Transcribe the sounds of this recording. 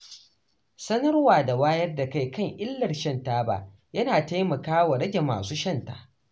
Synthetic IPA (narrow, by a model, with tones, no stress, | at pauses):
sɐ˦nɐ˦rwaː˨da˨waː˦jɐ˦rda˨ka˦jkɐ˦˨ŋʔɪ˦lːɐ˨rʃɐ˦ntaː˦ba̰˦˨ | jɐ˦naː˨ta˦jmɐ˨kaː˦wa˨ɽɐ˦ɡʲe˨ma̰ː˨suː˦ʃɐ˦nta̰ː˦